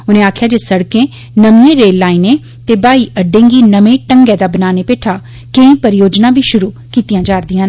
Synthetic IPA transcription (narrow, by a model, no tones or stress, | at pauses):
ʊnẽːaːkʰɪjaːd͡ʒeːsəɽkẽː | nəmijẽːɾeːlːaːiːneː | t̪eːbaːiːʔəɖːẽːŋɡiːnəmẽːʈəŋɡɛːd̪aːbənaːneːpeːʈʰaː | kəĩːpəɾɪjoːd͡ʒnãːbʱiːʃʊɾuː | kiːt̪ijãːd͡ʒaːɾd̪ɪjãːn